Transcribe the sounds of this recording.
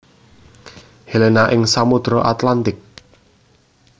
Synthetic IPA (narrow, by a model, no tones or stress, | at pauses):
helenaʔɪŋsamud̪̥ɾɔʔat̪lant̪ɪk̚